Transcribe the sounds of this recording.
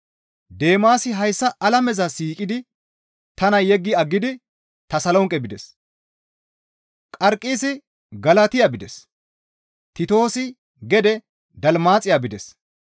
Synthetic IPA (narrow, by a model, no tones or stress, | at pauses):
d̪e̞ːmaːsɪɦɐjsːɐʔɐlɐmɛzɐsiːkʼɪd̪ɪ | t̪ɐnɐjɛɡːɪɐɡːɪd̪ɪ | t̪ɐsɐlɔŋkʼːɛbɪd̪ɛs | kʼɐɾkʼːiːsɪ | ɡɐlɐt̪ɪjabɪd̪ɛs | t̪ɪt̪o̞ːsɪ | ɡɛd̪ɛ | d̪ɐlmaːt͡sʼɪjaːbɪd̪ɛs